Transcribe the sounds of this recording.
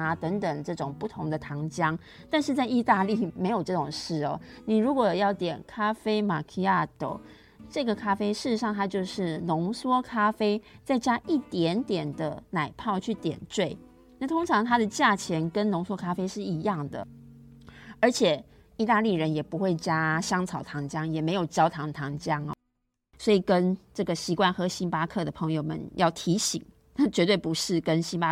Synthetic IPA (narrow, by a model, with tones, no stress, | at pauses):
a˨t̪ə˧˥ŋt̪ə˨˩ŋʈ͡ʂɤ˥˩ʈ͡ʂʊ˨˩ŋpu˥˩t̪ʰʊ˧˥ŋd̪ə˨t̪ʰɑ˧˥ŋt͡ɕjɑ˦˥ŋ | t̪a˥˧nʂ̬ɻ̩˥˧t͡sa˥˧ɪi˥˧t̪a˥˧li˥˩me˧˥ɪjo˨˩ʊʈ͡ʂɤ˥˩ʈ͡ʂʊ˨˩ŋʂɻ̩˥˩ɔ˨˩ni˨˩ɻu˧˥kwɔ˨˩jɑ˥˩ʊt̪jɛ̰˨˩nkʰa˥fe˥ɪma˨˩kʰi˥ja˥˩t̪o̰˨˩ʊ | ʈ͡ʂɤ˥˩ɡə˩kʰa˥fe˥ɪʂɻ̩˥˩ʂ̩˧˦ɑ˥˩ŋt̪ʰa˥t͡ɕjo˥˧ʊʂɻ̩˥˩nʊ˧˥ŋswɔ˥kʰa˥fe˥ɪt͡sa˥˩ɪt͡ɕja˥ʔi˥˩t̪jɛ˧˦nt̪jɛ˨˩nd̪ə̰˦na˨˩ɪpʰɑ˥˧ʊt͡ɕʰy˥˩t̪jɛ̰˨˩nt͡swe˥˩ɪ | na˥˩t̪ʰo˥ŋʈ͡ʂʰɑ˧˥ŋt̪ʰa˥d̪ə˨t͡ɕja˥˩t͡ɕʰjɛ˧˥nkə˦nnʊ˧˥ŋswɔ˥kʰa˥fe˥ɪʂɻ̩˥˩i˧˥jɑ˥˩ŋd̪ə̰˩ | ə˞˧˥t͡ɕʰjɛ˨˩ | i˥˧t̪a˥˧li˥˩ɻə˧˦njɛ˨˩pu˧˥xwe˥˩ɪt͡ɕja˥ɕjɑ˥ŋt͡sʰɑ˨˩ʊt̪ʰɑ˧˥ŋt͡ɕjɑ˥ŋjɛ˨˩me˧ɪjo˨˩ʊt͡ɕjɑ˥ʊt̪ʰɑ˧˥ŋt̪ʰɑ˧˥ŋt͡ɕjɑ˦˥ŋ˨˩ | swɔ˧˥i˨˩kə˦˥nʈ͡ʂɤ˥˩ɡə˩ɕi˧˥kwa˥˩nxɤ˧˥ɕi˧˥npa˥kʰɤ˥˩d̪ə˩pʰɤ˧˦ŋjo˧ʊmə̰˨njɑ˥˩ʊt̪ʰi˧˥ɕi˨˩˦ŋ | na˥˩t͡ɕɥɛ˧˥t̪̬we˥˩ɪpu˧˦ʂɻ̩˥˩kə˦˥nɕi˥npa˦˥